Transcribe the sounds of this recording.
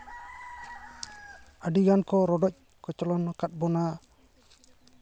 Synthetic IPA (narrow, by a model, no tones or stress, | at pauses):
əɖiɡankɔɾɔɖɔc̚ˀ | kɔt͡ʃɔlɔnɔkat̪̚bɔna